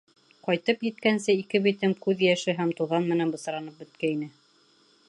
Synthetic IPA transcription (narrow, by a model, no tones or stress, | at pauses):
qɒjt̪ɤpjɘ̆t̪̚kænsɘikɘβit̪ɘmkʉðjæʃɘɦæmt̪uðɑnmɘ̆nænbɤ̆sɤ̆ɾɑnɤp̚bɵ̆t̪kæinɘ